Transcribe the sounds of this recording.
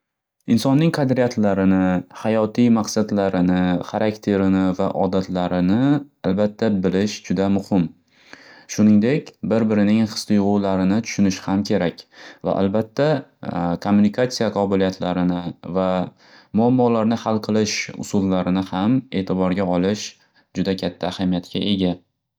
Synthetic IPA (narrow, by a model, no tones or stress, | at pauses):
ɪnsɒnːɪŋqʰɑd̪ɾijat̪ʰlaɾɪnɪhajɒt̪ʰijmaqsad̪laɾɪnɪχaɾʔakt̪ʰe̞ɾɪnɪvaʔɒd̪at̪laɾɪnɪalbat̪ʰːabɪlɪʃd͡ʒʊd̪amʊhɪm | ʃʊnɪŋd̪e̞kʲbɪɾbɪɾɪnɪŋχɨ̥st̪ʊjʁʊwlaɾɪnɪt̪ʰʊ̥ʃʊnɪʃɪ̥hamkʲʰe̞ɾakʲva̰ʔa̰lbat̪ʰːakʰomːunikʰat̪sijaqʰɒbɪlijat̪ʰlaɾɪnɪva | mʊamːɒlaɾnɪhalˠqʰɨlˠɪʃʊ̰sʊlˠːaɾɪnɪhame̞ːt̪ʰɪbɒɾɡʲaɒlˠɪʃ | d͡ʒʊd̪akʲʰat̪ʰːaːhamijat̪kʲʰa̰ʔe̞ɡʲa